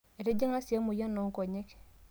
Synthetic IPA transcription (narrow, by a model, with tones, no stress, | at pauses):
e˨ɾe˦d͡ʒe˦ŋna˦sa˦mo˨ja˦no˨ŋ˦ko˨ɲe˦k